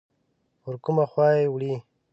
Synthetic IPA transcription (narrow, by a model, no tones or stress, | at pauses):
ʊɾkʊmaxwɑewɽi